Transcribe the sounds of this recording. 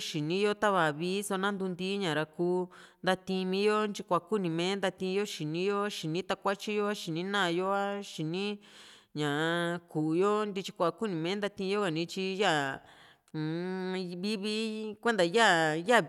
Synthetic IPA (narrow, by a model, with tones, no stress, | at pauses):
ʃi˨nĩ˦jo˦t̪a˦βa˨βiː˦so˧nã˦nd̪u˧nd̪i˦ɲã˨ɾa˧kuː˧˦nd̪a˧t̪ĩ˧mĩ˧˦jo˦nt͡ʃi˧kʷa˨ku˦nĩ˨mẽ˧˦nd̪a˧t̪ĩ˧jo˦ʃi˨nĩ˦jo˦ʃi˨nĩ˦t̪a˧kʷa˦t͡ʃi˦jo˦a˦ʃi˨nĩ˦nã˦˧jo˦a˦ʃi˨nĩ˦ɲã˨kuː˨jo˦nd̪i˧t͡ʃi̥˧kʷa˨ku˦˨nĩ˨mẽ˧˦nd̪a˧t̪ĩ˧jo˦ka˨nĩ˧˦t͡ʃi˧ja˦˨˧ | βi˦βi˧˦kʷe˦nd̪a˨ja˦˨ja˦˨